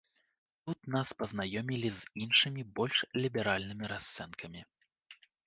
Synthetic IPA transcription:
t̪ut̪̚naspɐznajɔmʲilʲizinʂɨmʲibɔlʲʂlʲibʲɛɾalʲnɨmʲiɾast̪sɛnkʰɐmʲi

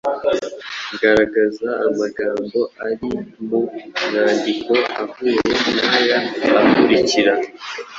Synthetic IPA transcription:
ɡaɾaɡazaːmaɡaːmbo̞aɾimunaːndiko̞avuːjenajaːkuɾiciɾa

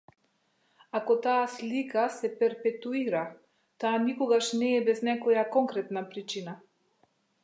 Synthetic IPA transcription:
akɔt̪aːslikasɛpɛɾpɛt̪uiɾa | t̪aːnikɔɡaʃnɛːbɛznɛkɔjakɔŋkɾɛt̪napɾit͡ʃina

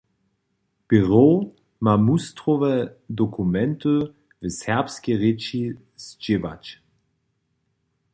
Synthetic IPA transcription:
b̥eʁo | mamustʁɔvɛdɔkʰumɛntə | vəsɛɐpskeʁɪt͡ʃi | z̥d͡ʒɪva̰t͡ɕ

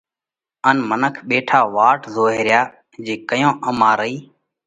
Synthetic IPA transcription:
ənmənəkʰɓeːʈʰaːʋaːʈzoːɦeːɾjaː | d͡ʒiːkəjõːʔəmaːɾəiː

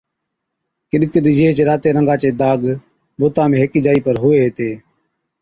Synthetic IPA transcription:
kɪɗkɪɗ̪d͡ʒeeːt͡ʃeɾaːt̪eːɾəŋɡãːt͡ʃeːd̪aːɡ | boːt̪ãːmẽːɦɪkiːd͡ʒaːiːpəɾɦʊʋeːɦt̪eː

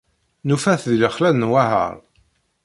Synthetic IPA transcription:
nufæθðiləχlænnwahə̰ɾˤ

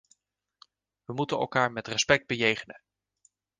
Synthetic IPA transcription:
ʋəmutənɛ̰lˠkaːɹmɛtrɛspɛk̚d̚bəjejχənə

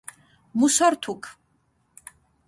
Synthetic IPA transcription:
musaɾt̪ʰukʰ

